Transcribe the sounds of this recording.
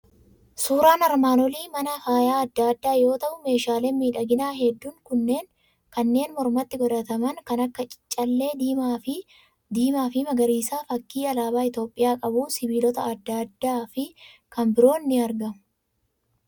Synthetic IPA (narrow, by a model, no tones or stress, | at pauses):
suːɾaːnɐɾmaːnɔliːmɐnɐfaːjaːɐd̪ːad̪ːaːjo̞ːt̪ɐʔʊme̞ːʃaːleːmmiːᶑɐɡɪnaːɦɛd̪ːuːŋkʊnːe̞ːŋ | kɐnːe̞ːnmɔɾmɐt̪ːɪɡɔd̪ɐt̪ɐmɐŋkɐnɐkːɐt͡ʃʼɪ̥t͡ʃʼːɐlːe̞ːda | d̪iːmaːfɪmɐɡɐɾiːsaːfɐkːiːɐlaːbaːɪt̪jo̞ːpʼːɪjaːkʼɐbuːnsɪbiːlɔt̪ɐɐd̪ːɐd̪ːaːfɪkʰɐmbɪɾo̞ːnːɪɐɾɡɐmʊ̥